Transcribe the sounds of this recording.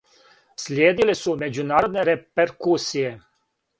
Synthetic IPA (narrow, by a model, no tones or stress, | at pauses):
slʲjeːd̪ilesume̞d͡ʑunaːɾo̞d̪ne̞ɾepeɾkuːsije